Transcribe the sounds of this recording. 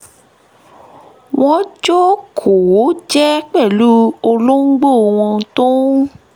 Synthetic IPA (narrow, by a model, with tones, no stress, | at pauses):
w̃ɔ̃˦d͡ʒo˦kʰo˨˦d͡ʒɛ˦k͡pɛ˦˨lu˦o˧lo˦ŋ̩˦ɡ͡bo˦˨w̃ɔ̃˧tõ˦